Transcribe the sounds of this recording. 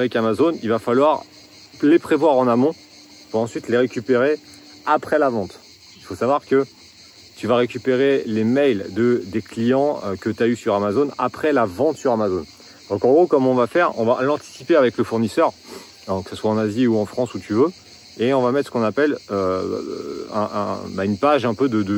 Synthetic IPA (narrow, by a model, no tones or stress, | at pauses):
avɛkamazonilvafalwaʁ | lepχevwaʁɑ̃namɔ̃ | puʁɑ̃sɥit̪leʁekʲypeʁe | apχɛlavɑ̃t̪ | ilfosavwaʁkə | t̪yvaʁekʲypeʁelemɛjld̪əd̪eklijɑ̃økət̪yaysyʁamazona̰pχɛlavɑ̃t̪syʁamazon | d̪̥ɔ̃kɑ̃ɡʁokɔmɔ̃vafɛʁɔ̰̃valɑ̃t̪i̥sipeavɛkləfuʁnisœʁ | kə̥saswaɑ̃naziuɑ̃fχɑ̃sut̪yvø | eɔ̃vamɛt̪χsəkɔ̃napɛlø | ɛ̰̃ʔbaynpaʒɛ̃pød̪əd̪ə